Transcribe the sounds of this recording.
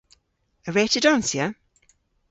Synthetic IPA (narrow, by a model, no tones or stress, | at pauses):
əɹeːtədãnsjə